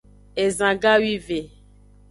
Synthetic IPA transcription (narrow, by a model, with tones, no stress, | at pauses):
e˨zã˨ɡa˦wi˦ve˨